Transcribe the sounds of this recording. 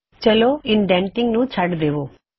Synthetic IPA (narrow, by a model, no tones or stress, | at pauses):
t͡ʃəloɪnɖɛ̃ːɳʈɪ̃ŋɡnũt͡ʃʰɐɖd̪eːʋoː